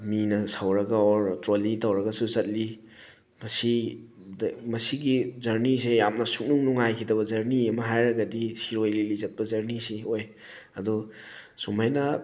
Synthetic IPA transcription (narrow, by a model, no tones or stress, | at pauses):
minɐsawɾɐɡaɔɾtɾolitawɾɐɡɐsuzɐt̚li | mɐsi | dmɐsiɡizɐɾnisejamnɐsuk̚nuŋnuŋajkʰidɐbɐzɐɾniɐmɐɦajɾɐɡɐdisiɾojlilizɐt̚pɐzɐɾnisioj | ɐdu | sumajnɐ